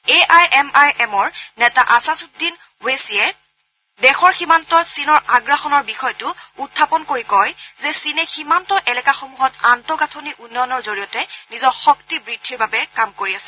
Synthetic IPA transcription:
eʔajɛmajʔɛmɔɹnɛtaʔasasut̚din | wesijɛ | dɛxɔɹximantɔsinɔɹaɡɹaxɔnɔɹbixɔjtʊutʰːapɔnkoɹikɔjzɛsinɛximantɔʔɛlɛkaxomuɦɔtantɔɡatʰoniʔunːɔjɔnɔɹzoɹijɔtɛnizɔɹxɔktibɹid̥ʱːiɹbabɛkamkoɹiasɛ̥

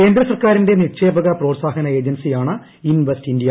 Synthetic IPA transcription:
e̞ːnd̪rɐsɐrkaːɾinde̞niʂeːbɐɣɐproːʈsaːɦɐnɐe̞ːd͡ʑɐnsijaːɳɨ | inʋestindijɐ

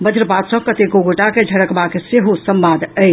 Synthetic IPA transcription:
bəd̪ʱɾəpad̪sə̃kət̪eɡoɡoʈaked͡ʒʱəɽəkbakeseɦosəmbad̪ʱəj

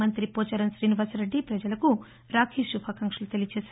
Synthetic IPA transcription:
ɐnt̪ɾipoːt͡ʃɐɾɐnʃɾiːniʋaːsɾeɖːipɾɐd͡ʒɐlɐku | ɾaːkʰiʃubʱaːkɐŋkʂɐlut̪elijɐt͡ʃeːs

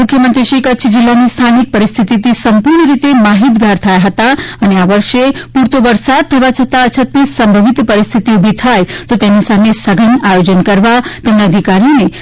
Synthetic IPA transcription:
mukʰjəmənt̪ɾiʃikətːʃʰd͡ʒilːanist̪ʰanik̚pəɾist̪ʰit̪it̪isəmpuɾɳəɾit̪emaɦit̪ɡʱaɾt̪ʰajaɦət̪aəneaʋəɾʃepuɾt̪oʋəɾsad̪̚t̪ʰəʋat͡ʃʰət̪aət͡ʃʰət̪ːisəmbʱəʋit̪pəɾist̪ʰit̪iubʱit̪ʰajt̪ot̪emisamesəɡʱənajod͡ʒənkəɾʋat̪emnaəd̪ʱikaɾijone

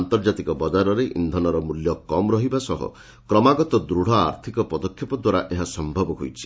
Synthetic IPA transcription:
nt̪ɔɾd͡ʒat̪ikɔbɔd͡ʒaɾɔɾeʔḭnd̪ʱɔnɔɾɔmuljɔkɔmɾɔɦibasɔɦɔ̰ | kɾɔmaɡɔt̪ɔd̪ɾuɽ̤ɔa̰ɾt̪ʰikɔpɔd̪ɔkʰjɔpɔd̪waɾaʔeɦasɔmbʱɔbɔɦojt͡ʃʰi̥

